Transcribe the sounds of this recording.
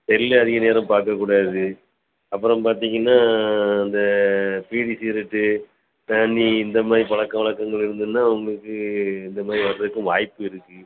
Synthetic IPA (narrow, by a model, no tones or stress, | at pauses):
ɛlɪlɐɐðɪɣɐneːɾɐ̃mpaːɾkɐkːuːɽaːðɯ | ɐpːɯɾɐ̃mpaːɾt̪̬iːŋɡɐnːaːɪnd̪ɐpiːɽisiːɾɪʈːɯ | t̪anːiɪnd̪ɐmaːdɾipɐɭɐkːɐ̃ʋɐɭɐkːɐŋɡɐɭɪɾɯnd̪ɯɯnːaːʊŋɡɐɭɯkːɯɪnd̪ɐmaːdɾiʋɐɾɐðɯkːɯ̃ʋaːjpːɯɪɾɯkːɯ